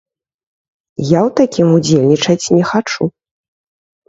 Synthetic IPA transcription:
jawt̪akʲimud͡zʲelʲnʲit͡ʂɐt͡sʲnʲɛxat͡ʂu

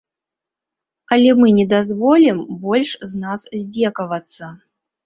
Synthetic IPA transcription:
ɐlʲɛmɨnʲɛd̪azvɔlʲimbɔlʲʂznaszʲd͡zʲɛkɐvɐt̪sːɐ

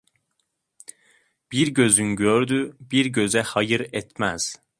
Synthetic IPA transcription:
b̥iɾɟø̞zynɟøɾd̪yb̥iɾɟø̞zɛhɑjɯɾɛt̪ʰmæz̥

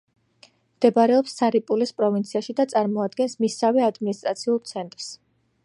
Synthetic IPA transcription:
md̪̥ɛbaɾɛɔpsːaɾipʼulispʼɾɔvint̪sʰiaʃid̪at̪sʼaɾmɔad̪ɡɛnsmisavɛad̪minist̪ʼɾat̪sʰiulˠt̪sʰɛnt̪ʼɾs

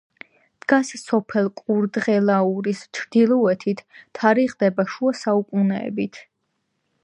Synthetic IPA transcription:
d̪̥ɡassɔpʰɛlˠkʼuɾd̪ʁɛlˠauɾist͡ʃʰɾd̪ilˠɔɛt̪ʰit̪ʰt̪ʰːaɾiʁd̪ɛbaʃuasaukʼunɛɛ̰bit̪ʰ

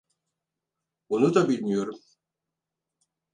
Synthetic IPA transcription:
unud̪ɑbilʲnyjøɾm

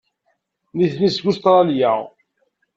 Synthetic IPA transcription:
niθnisɡust̪ɾˤɑljæ

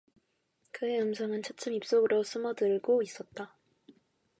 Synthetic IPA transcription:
kɯe̞ɯmsʰʌŋɯnt͡ɕʰʌt͡ɕ͈ʰɯmip̚s͈oɡɯɾos͈ʰɯmʌdɯɭɡois͈ʌt̚t͈a

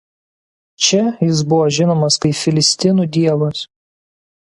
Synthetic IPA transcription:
t͡ʃʲɛjɪs̬bʊʋɔʒʲɪnoːmɐskɐɪpfʲɪlʲɪsʲt̪ʲɪnuːˑd̪ʲiɛʋɐs

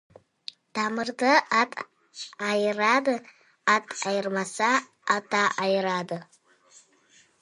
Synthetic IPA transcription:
d̥aːmɨrdɐatʼ | ajɪraːdɨkʼ | atʼajɪrmɐsaː | taʔajɪɾaːdɨ

